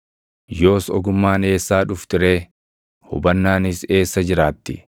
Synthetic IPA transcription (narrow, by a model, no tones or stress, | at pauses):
jo̞ːsɔɡʊmːaːne̞ːsːaːᶑʊft̪ɪɾe̞ː | hʊ̰bɐnːaːnɪse̞ːsːɐd͡ʒɪɾaːt̪ːɪ̰